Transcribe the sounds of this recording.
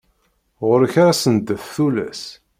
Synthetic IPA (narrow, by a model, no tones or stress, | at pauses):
ʁʊɾəçaɾasənd̪əθθulæ̰s